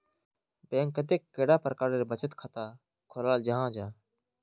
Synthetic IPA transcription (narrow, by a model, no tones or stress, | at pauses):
bẽːŋkːət̪eːkːeːɽaːpəɾkaːɾeːbət͡ʃət̪kʰat̪aː | kʰolaːld͡ʒəɦãːd͡ʒaː